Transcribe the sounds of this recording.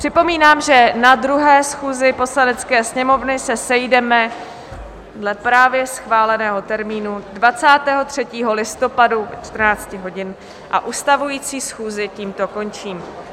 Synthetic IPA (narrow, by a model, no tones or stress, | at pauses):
pr̝̥ɪpo̞miːnaːmʒɛnad̪ɾuɦɛːsxuːzɪpo̞slanɛt͡skɛːsɲɛmo̞vnɪsɛsɛjdɛmɛ | dlɛpɾaːvjɛsxvaːlɛnɛːɦo̞t̪ɛɾmiːnudvat͡saːt̪ɛːɦo̞t̪r̝̥ɛciːɦo̞lɪst̪o̞paduvɛ̰t͡ʃt̪r̩naːt͡scɪɦo̞ɟɪn | ʔa̰ʔust̪avujiːt͡siːsxuːzɪciːmt̪o̞ko̞nt͡ʃiːm